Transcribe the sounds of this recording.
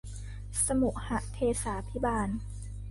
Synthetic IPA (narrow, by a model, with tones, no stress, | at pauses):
sa˧mu˨˩ʔ̚ha˧˩ʔt̪ʰeː˧saː˩˦pʰi˦˥baː˧n